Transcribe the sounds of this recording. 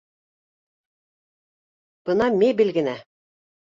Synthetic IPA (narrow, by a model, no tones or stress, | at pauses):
b̥ɤ̆nɑmʲebɘlɡɘ̆næ